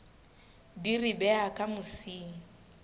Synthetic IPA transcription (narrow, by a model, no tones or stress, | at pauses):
diribɛakʼamʊsiːŋ̩